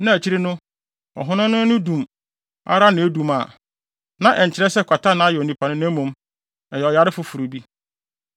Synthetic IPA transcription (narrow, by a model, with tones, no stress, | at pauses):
nã˦˨æ˨t͡ɕʰi˦ɾɪ˦nʊ̃˦ | ɔ̰˨ɦʊ̃˦nʊ̃˦nʊ̃˦nʊ̃˦dũ˨m | a̰˦ɾa˦nɪ̃˨e˦dũ˨ma̰˨ | nã˦˨ʔɛ˨ɲ̩˨t͡ɕʰɪ˨ɾɛ˦sɛ˦˨kʰʷa˨ta˦nã˨˦jɛ˨o˨nĩ˨pʰa˨nʊ̃˦nã˦mũ˨m | ɛ˨jɛ˨ɔ˨ja˨ɾɪ˦fʊ˦fu˨ɾu˨bi˦